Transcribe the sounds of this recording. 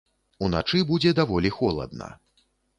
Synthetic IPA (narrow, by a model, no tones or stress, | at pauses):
una̰t͡ʂɨbud͡zʲɛd̪avɔlʲixɔlˠɐ̰d̪̚nɐ̰